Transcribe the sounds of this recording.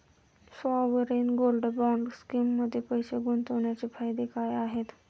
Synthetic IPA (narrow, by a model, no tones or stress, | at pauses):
saʋəɾiːnɡolɖbɔɳɖskimːəd̪ʱːjepəjɕeɡunt̪əʋɳjat͡ɕifajd̪ekajaɦet̪